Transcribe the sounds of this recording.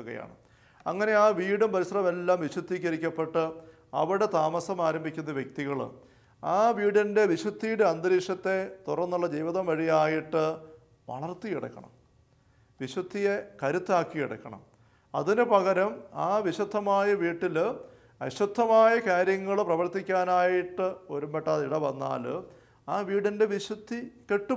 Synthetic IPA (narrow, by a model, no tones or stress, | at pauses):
uɣɐ̰ja̰ːɳɨ̰ | ɐ̰ŋːɐne̞aːʋiːɽumpɐɾisrɐʋɐme̞lːaːmʋiɕwud̪ʱːikʲːɐɾikʲːɐpːe̞ʈːɨ | ɐ̰ʋiɽe̞t̪aːmɐsɐmaːɾɐmbʱikʲːunːɐʋjek̚t̪iɣɐɭ̰ | aːʋiːɽinde̞ʋiɕɐd̪ʰʱːijuɽeɐnd̪ɐɾiːʂɐt̪ːe̞t̪urɐnːuɭːɐd͡ʑɐjʋiðɐmʋɐɻijaːjiʈːɨ | ʋɐ̰ɭɐrt̪ijiɽɐ̰kːɐ̰ɳɐ̰m | ʋiɕwɐd̪ʰʱːijekɐɾut̪ːaːkːijiɽɐ̰kːɐɳɐ̰m | ɐ̰ðinɨpɐɣɐɾɐmaːʋiɕɐd̪ʱːɐmaːjɐʋiːʈːil | ɐɕɐd̪ʱːɐmaːjɐkaːɾjɐŋːɐɭprɐʋɐrt̪ːikʲːaːnaːjiʈːɨo̞ɾumbeʈːaːðiɽɐʋɐnːa̰ːl | aːʋiːɽinde̞ʋiɕwɐd̪ʰʱːike̞ʈːu